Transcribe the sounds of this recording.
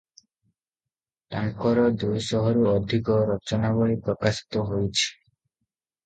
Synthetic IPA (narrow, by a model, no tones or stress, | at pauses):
ʈaŋkɔɾɔd̪ujʃɔɦɔɾuɔd̪ʱikɔɾɔt͡ʃɔnaβɔipɾɔkaʃi̥t̪oɦojt͡ɕʰi̥